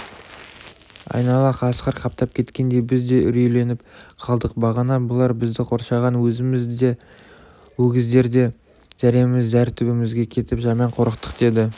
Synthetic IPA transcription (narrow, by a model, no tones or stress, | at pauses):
ɑ̰jnɑlˠɑqʰɑsqəɾqʰɑp̚t̪ɑp̚kʲʰe̞t̪kʲe̞nd̪e̞jbɪzd̪e̞ʔʏ̰ɾele̞nɪpqʰɑlˠd̪əq̚bɑʁɑnɑbʊlˠɑɾbɪzd̪ɪqʰo̞ɾʃɑʁɑnwɵzɪmɪze | wɵɡʲɪzd̪e̞ɾd̪e̞ | ʒ̥æɾemɪmɪzd̪æɾt̪ʰʏbɪmɪzɡʲe̞kʲʰe̞t̪ɪpʒɑmɑɴqʰo̞ɾəqt̪ə̥qd̪e̞d̪ɪ